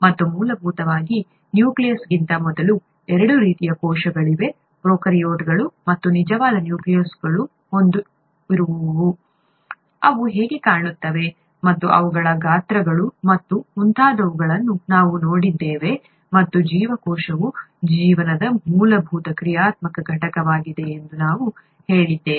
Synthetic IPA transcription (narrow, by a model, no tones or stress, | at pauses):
mɐt̪ːumuːlɐbʱuːt̪ɐʋaːɡi | njuːklijɐsɡint̪ɐmɔd̪ɐlu | ɛɾɐɽuɾiːt̪ijɐkɔːʃɐɡɐɭiʋe̞ | pɾoːkɐɾijoːʈɡɐɭumɐt̪ːunid͡ʒɐʋaːd̪ɐnjuːklijɐsɡɐɭu | ond̪u | iɾuʋuʋʋu | ɐʋuɦe̞ːɡekaːɳut̪ːɐʋe̞ | mɐt̪ːuʔɐ̰ʋuɡɐɭɐɡaːt̪ɾɐɡɐɭumɐt̪ːumunt̪ʰaːd̪ɐʋuɡɐɭɐnːunaːʋuno̞ːɽid̪ːeːʋe̞ | mɐt̪ːud͡ʒiːʋɐkɔːʃɐʋud͡ʒiːʋɐnɐd̪ɐmuːlɐbʱuːt̪ɐkɾijaːt̪mɐkɐɡʱɐʈɐkɐʋaːɡid̪e̞ːnd̪unaːʋu | he̞ːɭid̪ːeː